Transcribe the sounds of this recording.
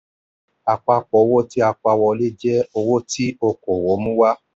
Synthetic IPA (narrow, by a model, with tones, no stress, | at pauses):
a˧k͡pa˧k͡pɔ˨˦wo˦ti˦a˧k͡pa˧wɔ˧le˦d͡ʒɛ˦o˧wo˦ti˦o˧˨ko˨wo˨˦mũ˦wa˦